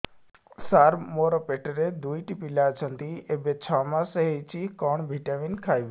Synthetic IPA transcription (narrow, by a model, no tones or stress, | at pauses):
saːɾmoɾəpeʈəɾed̪uːiʈipilat͡ʃʰə̃nt̪iebet͡ʃʰamãsəɦet͡ɕikɔːɳbʱiʈaʋinkʰaːjʋ